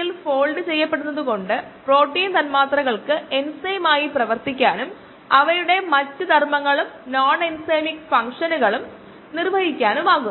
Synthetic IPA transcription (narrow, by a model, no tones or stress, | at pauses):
ilfoːɭɖɨt͡ɕe̞jːɐpːe̞ɽunːɐðuɣo̞ɳɖɨ | pro̞ːʈːiːnt̪ɐnmaːt̪rɐɣɐɭkɨe̞nsɐjmaːjiprɐʋɐrt̪ikʲːaːnum | ɐʋɐɾuɽe̞mɐtːud̪ʱɐrmɐŋːɐɭumnaːnensejmikfɐŋʂɐnuɣɐɭum | nirʋɐɦikʲːaːnumʋaːɣu